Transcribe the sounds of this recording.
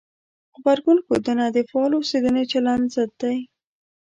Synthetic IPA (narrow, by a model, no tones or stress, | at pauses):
ɣbaɾɡunkod̪ənad̪ifɑloused̪unet͡ʃaland̪zad̪̚d̪aj